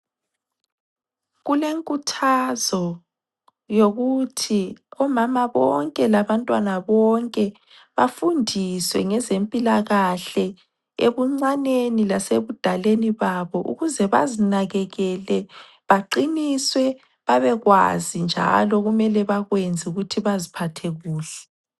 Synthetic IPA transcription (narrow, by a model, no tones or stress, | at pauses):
ɣuleŋkʼutʰazɔ | joɣutʰiɔmamaβɔ̰ŋkʼɛlaβantʼwanaβɔŋkʼɛ | βafundʱiswɛŋɛzempʼilaɣaɬɛ | eβuŋ͡ǀanenilaseβud̥ʱaleniβaβɔʔṵɣuzɛβa̰zinaɣɛɣɛlɛ | βaǃiniswɛ | βaβɛɣwa̰zind͡ʒʱa̰lɔɣumɛlɛβaɣwend͡zʱiuɣutʰiβazipʰatʰeɣuːɬɛ